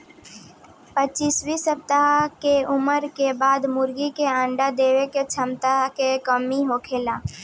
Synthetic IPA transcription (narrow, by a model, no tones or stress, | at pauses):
pət͡ʃiːswisəp̚t̪akeʊməɾkebaːd̪mʊɾɡikeãːɳɖad̪eːweket͡ʃʰəmt̪aɦkekəmiɦoːkʰeːlaː